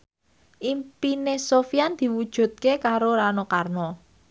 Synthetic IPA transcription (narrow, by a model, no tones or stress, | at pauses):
ʔimpinesofiand̪̥i̤wud̥ʒ̥ṳt̪̚kekaɾoɾanokarnɔ